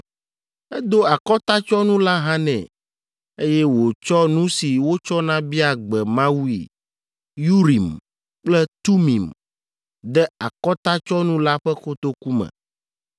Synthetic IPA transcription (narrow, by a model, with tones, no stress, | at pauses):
ɛ˦d̪o˦a˨kɔ˦t̪a˦t͡ʃɔ˦nũ˦la˦ɦã˦nɛ̰̃˨ | e˦jɛ˦wo˨t͡ʃɔ˦nũ˦si˨wo˦t͡ʃɔ˦nã˦bi˦a˨ɡ͡bɛ˨mã˦wu˦ḭ˨ | ju˦ɾi˨m | k͡plɛ˦t̪u˦mḭ̃˨m | d̪ɛ˦a˨kɔ˦t̪a˦t͡ʃɔ˦nũ˦la˦ɸɛ˦xo˦t̪o˦ku˦mɛ̰̃˨